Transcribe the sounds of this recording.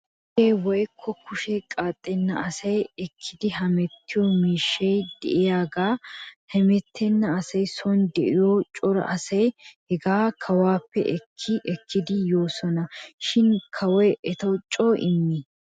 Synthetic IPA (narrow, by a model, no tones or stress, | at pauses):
eːwɔjkʰːɔkʊʃɛkʼaːt̪ʼːɛnːɐɐsɐjɛkʰːɪd̪ɪɦɐmɛt̪ːɪjɔmiːʃːɐjd̪ɛ̰ʔɪjaːɡaːhɛmɛt̪ʰːɛnːɐːsɐjsɔnd̪ɛʔɪjoːt͡ʃʼɔɾɐ̰ʔɐsɐjhɛɡaːkʰɐwaːpːɛ̰ʔɛkʰːɪʔɛkʰːɪd̪ɪjo̞ːsɔnɐʃɪnkʰɐwɔjɛt̪ɐwt͡ʃʼːoːʔɪ̰mːɪ